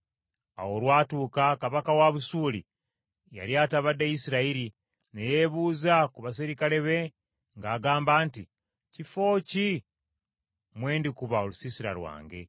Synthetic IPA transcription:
a̰wo̞lwaːtuːkakaβakawaβusuːlḭ | ja̰ljaːtaβadːejisiɾaiɾi | nejeβuːzakuβas̬iɾikale̞βe̞ | ŋɡaːɡaːmbaːnti | cifo̞ːci | mwe̞ːndikuβaolusisiɾa̰ɾwa̰ːŋɡe̞̰

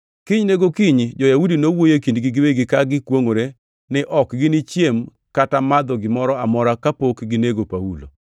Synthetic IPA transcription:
kɪɲneɡokɪɲd͡ʒɔjaudinowojekindɡɪɡɪweɡɪkaɡɪkwoŋoɾe | nɪʔɔkɡɪnɪt͡ʃjem | katamad̪ɔɡɪmɔɾɔamɔɾakapokɡɪneɡopaulo̰

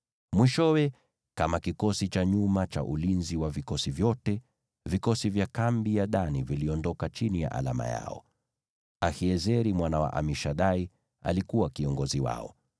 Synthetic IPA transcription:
mwiʃɔwɛ | kamakikɔsit͡ʃaɲumat͡ʃa̰ʔulinziwavikɔsivjɔtɛ | vikɔsivjakambijaɗaniviliɔndɔkat͡ʃinija̰ʔa̰la̰ma̰ja̰ɔ̰ | ahiɛzɛɾimwanawa̰ʔa̰miʃaɗai | a̰likuwakiɔŋɡɔziwa̰ɔ̰

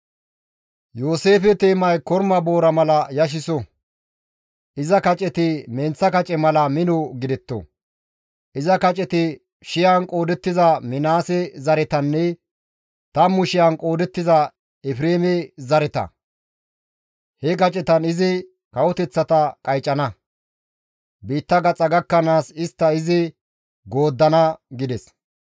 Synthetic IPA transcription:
joːse̞ːfɛt̪eːmɐjkɔɾmɐbo̞ːɾɐmɐlɐjɐʃ̬ɪsɔ | ʔɪzɐkɐt͡ʃʼɛt̪ɪmɛnt͡sːɐkɐt͡ʃʼɛmɐlɐmɪnɔɡɪd̪ɛt̪ːɔ̰ | ʔɪzɐkɐt͡ʃʼɛt̪ɪ | ʃɪjankʼo̞ːd̪ɛt̪ːɪzɐmɪnaːsɛzɐɾɛt̪ɐnːɛ | t̪ɐmʊʃɪjɐnkʼo̞ːd̪ɛt̪ːɪzɐ | ɛfɪɾeːmɛzɐɾɛt̪ɐ̰ | hɛkɐt͡ʃʼɛt̪ɐnɪzɪ | kɐwʊt̪ɛt͡sːɐt̪ɐkʼɐjt͡ʃʼːɐnɐ | biːt̪ːɐɡɐt͡sʼɐɡɐkːɐnaːsɪst̪ːɐɪzɪ | ɡo̞ːd̪ːɐnɐɡɪd̪ɛs

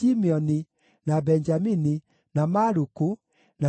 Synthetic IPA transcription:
imiɔni | nabɛɲd͡ʒamini | namaɾuku | na

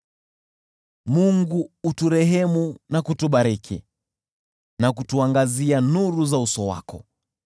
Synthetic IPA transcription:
muŋɡuːtuɾɛɦɛmunakutuɓaɾɛkʰɛ̰ | nakutuaŋɡazianuɾuzausɔwa̰kɔ

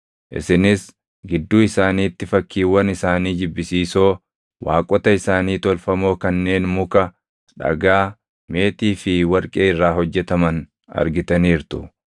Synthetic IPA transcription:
ʔɪ̰sɪnɪs | ɡɪd̪ːuːɪsaːniːt̪ːɪfɐkːiːwːɐnɪsaːniːd͡ʒɪbːɪsiːso̞ː | wʔa̰ːkʼɔt̪ɐɪsaːniːt̪ɔlfɐmo̞ːkɐnːe̞ːnmʊkɐ | ᶑɐ̰ɡaː | me̞ːt̪iːfɪwɐɾkʼeːɪrːaːɦɔd͡ʒːɛt̪ɐmɐn | ɐ̰ɾɡɪt̪ɐniːɾt̪ʊ

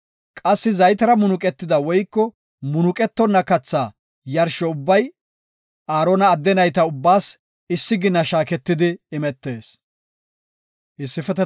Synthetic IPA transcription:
kʼɐsːɪzɐjt̪ɐɾɐmʊnʊkʼɛt̪ːɪd̪ɐwɔjkːɔ | mʊnʊkʼɛt̪ːɔnːɐkɐt͡sːaː | jɐɾʃɔʊbːɐj | ʔaːɾɔnɐːd̪ːɛnɐjt̪ɐʊbːaːs | ɪsːɪɡɪnːɐʃaːkɛt̪ːɪd̪ɪːmɛt̪ːe̞ːs | ʔɪsːɪfɛt̪ɛ

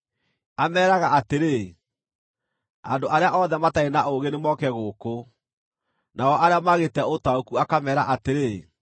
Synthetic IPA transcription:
amɛːɾaɣaʔateɾe | a̰ndoʔaɾeaʔɔðɛmataenaʔoɣenemɔkɛɣoːko | naɔʔaɾeamaɣetɛotaokuakamɛːɾa̰ʔateɾe

